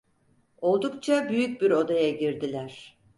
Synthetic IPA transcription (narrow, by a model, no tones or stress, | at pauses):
o̞lˠd̪ukt͡ʃʰabyjyc̚biɾo̞d̪ajaɟiɾd̪ilʲæɾ̥